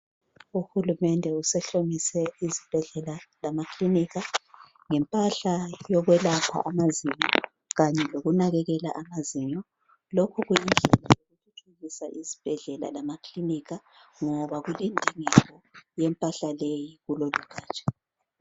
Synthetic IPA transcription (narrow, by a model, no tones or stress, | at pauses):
uxulumɛndʱɛusɛɬomisɛizib̥ʱɛɮɛlalamakliniɣa | ŋɛmpʼaɬajɔɣwɛlapʰa̰ʔamaziɲɔ | ɣaɲɛloɣunaɣɛɣɛlaʔamaziɲɔ | lokʰɔɣuind͡ɮʱɛlajoɣutʰutʰuɣisa̰ʔizib̥ʱɛɮɛla̰lamakliniɣa | ŋɔβaɣulendʱiŋɛɣɔjɛmpʼaɬalejiɣuloluɡ̥ʱaːt͡ʃʼḁ